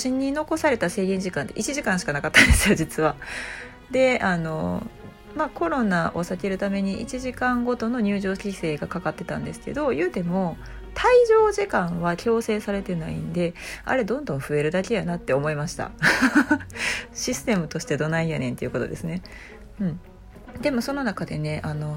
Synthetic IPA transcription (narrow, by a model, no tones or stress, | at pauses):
ɕĩɲ̟ːino̞ko̞saɾe̞t̪ase̞ːɡẽ̞ɲ̟d͡ʑikãnt̪eʔit͡ɕiʑikãɕi̥kanakat̪ːãnd̪e̞sɨjo̞d͡ʑit͡sɨβa | d̪e̞ano̞ | mako̞ɾo̞naʔo̞sake̞ɾɯ̟t̪ame̞ɲ̟iʔit͡ɕiʑikãŋɡo̞t̪o̞no̞ɲ̟ɨ̟ːʑo̞ːɕʲise̞ːɡakakat̪ːe̞t̪ã̰nd̪e̞sɨ̥ke̞̰d̪o̞jɯ̟ːt̪e̞mo̞ | t̪ʰaiʑo̞ːʑikãɰ̃βakʲo̞ːse̞ːsaɾe̞t̪enaĩnd̪e̞a̰ɾe̞d̪õ̞nd̪õ̞ɰ̃ɸɯ̟e̞ɾɯ̟d̪akʲe̞janat̪ːe̞o̞mo̞imaɕi̥t̪a̰ | ɕisɨ̥t̪e̞mɯ̟t̪o̞ɕi̥t̪ed̪o̞naĩjanẽ̞t̪e̞iɯ̟ko̞t̪o̞̰d̪e̞̰sɨne̞ | ɯ̟̃ɴ | d̪e̞mo̞sono̞nakad̪e̞ne̞ʔano̞